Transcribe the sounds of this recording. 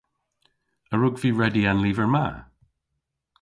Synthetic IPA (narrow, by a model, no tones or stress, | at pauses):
əɹʊɡviːɹɛdiãnliːvəɹma